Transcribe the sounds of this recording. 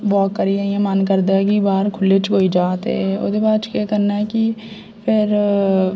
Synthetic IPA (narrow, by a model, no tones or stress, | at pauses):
bɔːkkːəɾiẽjãmənkəɾd̪aɛkibaːɾkʰʊlːet͡ʃkoːid͡ʒaːt̪ḛɛo̰ːd̪ebaːt͡ʃkeːkəɾnaɦɛki | pʰɪɾ